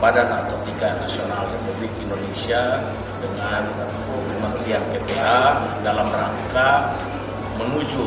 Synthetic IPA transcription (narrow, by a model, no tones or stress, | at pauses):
padanakət̪ikanasionalrepublik̚indonesia | dəŋan | kəmənt̪ɾianpepeadalamraŋka | məŋud͡ʒu